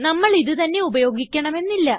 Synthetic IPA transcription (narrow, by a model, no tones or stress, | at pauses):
nɐmːɐɭiðɨt̪ɐnːe̞ubɐjo̞ːɡikʲːɐɳɐme̞nːilːɐ